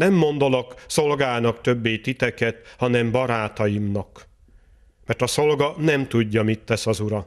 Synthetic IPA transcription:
nɛmːo̞nd̪olɒkso̞lɡaːnɒkt̪ø̞bːejt̪it̪ɛkɛt̪hɒnɛmbɒɾaːt̪ɒjimnɒk | mɛrt̪ɒso̞lɡɒnɛmt̪uɟːɒmit̪ːɛsɒzuɾɒ

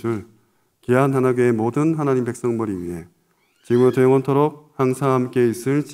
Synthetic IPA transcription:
ɯɭ | kiantanaɡeemodɯnɦanaɲimpe̞k̚s͈ʌŋbʌɾiɥiɦe̞ | t͡ɕimɯɭtojoŋʌntʰoɾok̚haŋsʰahamk͈e̞is͈ɯɭt͡ɕ

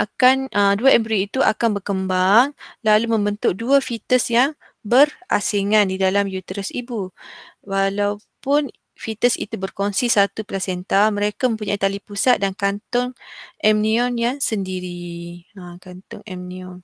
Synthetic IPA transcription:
ʔakanʔəduaʔɛmpɾiːt̪uʔa̰kanbərkəmbaŋlalumə̃mbənt̪ʊk̚duafit̪əsjaŋ | bəra̰siŋandidalamjut̪ɾəsibuwalawpʊn | fit̪əsḭt̪ubərkonsisat̪uplasɛnt̪almə̃ɾekamə̃mpuɲait̪alipusat̪̚dankant̪ɔŋʔɛmniɔnjaŋsəndiɾiəkant̪ʊ̰ŋɛ̰mniɔn

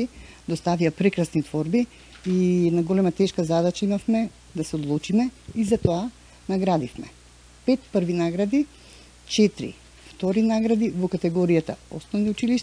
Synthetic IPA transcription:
i | d̪ost̪aviapɾɛkɾasnit̪vɔɾbi | inaɡɔlɛmat̪ɛʃkazad̪at͡ʃaimafmɛ | d̪asɛod̪lˠut͡ʃimɛizat̪ɔa | naɡɾad̪ifmɛ | pɛt̪pəɾvinaɡɾad̪i | t͡ʃɛt̪ɾḭ | ft̪ɔɾinaɡɾad̪ivɔkat̪ɛɡɔɾijat̪a̰osnɔvniut͡ʃiliʃt̪

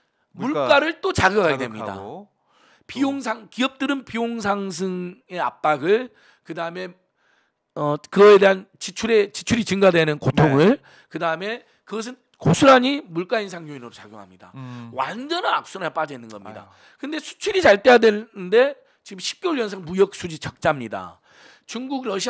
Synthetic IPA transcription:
muɭkk͈aɾɯɭt͈ot͡ɕaɡjuɦaɡedwemɲida̰ | pioŋsʰaŋkiʌp̚t͈ɯɾɯnpioŋs̬ʰaŋs̬ʰɯŋe̞a̰p̚p͈aɡɯɭ | kɯdaɯme̞ | ʌkɯɡʌede̞ɦant͡ɕit͡ɕʰuɾe̞t͡ɕit͡ɕʰuɾit͡ɕɯŋɡadwenɯnkotʰoŋɯɭ | kɯdaɯme̞ | kɯɡʌs̬ʰɯn | kosʰuɾaɲimuɭk͈ains̬ʰaŋjoinɯɾot͡ɕa̰ɡjo̰ŋɦa̰mɲida̰wand͡ʑʌnanak̚s͈unaɭp͈ad͡ʑʌinːɯnɡʌmɲḭda̰ | kɯnde̞sʰu̥t͡ɕʰuɾit͡ɕaɭt͈e̞jadwennɯnde̞ | t͡ɕiɡɯmɕʰi̥p̚k͈joɭjʌnsʰaŋmujʌk̚s͈ʰud͡ʑit͡ɕʰʌk̚t͡ɕ͈amɲida̰ | t͡ɕuŋɡuɡɾʌɕʰi

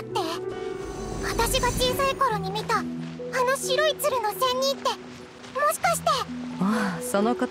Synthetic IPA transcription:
t̪ːe̞ | βat̪aɕiɡat͡ɕiːsaiko̞ɾo̞ɲ̟imʲit̪aːno̞ɕiɾo̞it͡sɨɾɯ̟no̞sẽ̞ɲ̟ːĩt̪ːe̞ | mo̞ɕi̥kaɕi̥t̪e̞aso̞noka

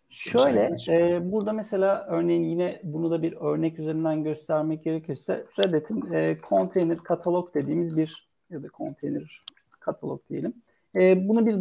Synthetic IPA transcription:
ʃø̞jlʲɛɛːbuɾd̪amese̞lʲaːʔøɾne̞jinjinɛbunud̪abiɾø̞ɾnɛcyze̞ɾind̪ænɟø̞st̪ʰæɾmɛc̚ɟ̥e̞ɾecʰiɾsɛ̰ɾed̪et̪ʰinɛːkʰo̞nt̪ʰejniɾkʰat̪ʰalˠo̞k̚d̪̥e̞d̪iːmizbiɾ | jad̪akʰo̞̰nt̪ʰejniɾ | kʰat̪ʰalˠo̰k̚d̪eje̞lʲim | ɛːbunubiɾ

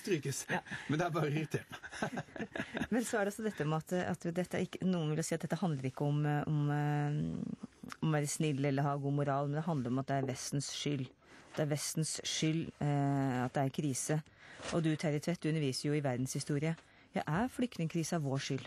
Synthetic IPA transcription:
st̪ɾyːkəsmɛnd̪ɛæɾbɑːɾəɪɾɪt̪ʰeːɾmɑ | mɛnsɔæɖɛɑsːɔd̪ɛt̪ːəɔmɑt̪ɑ̰t̪d̪ɛt̪ːæɾɪkːənuːənʋɪljɑsiːt̪̚d̪ɛt̪ːəɑnd̪ləɾɪkːəɔmɔm | ɔmæɾsnɪlːɛlːəɾhɑːɡuːmʊɾɑːlmɛnd̪ɛɦɑnd̪ləɾɔmɑt̪̚d̪ɛæɾʋɛst̪n̩sʂʏlː | t̪d̪ɛæɾʋɛst̪nsʂʏlː | ɑt̪̚d̪ɛæɾkʰɾiːsə | ʔɔd̪ʉt̪ʰæɾɪt̪ʰʋɛt̪̚d̪ʉnːəɾʋiːsəɾjʊɪʋæɾd̪n̩shɪst̪uːɾɪə | jɑʔæɾflʏk̚t̪nɪŋkʰɾiːsəɑʋʋoːʂʏlː

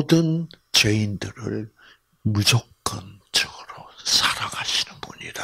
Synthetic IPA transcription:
odɯnt͡ɕeindɯɾɯ̰ɭ | mud͡ʑokk͈ʰɯnt͡ɕʌɡɯɾosʰaɾaɡaɕʰinɯnbuɲḭda

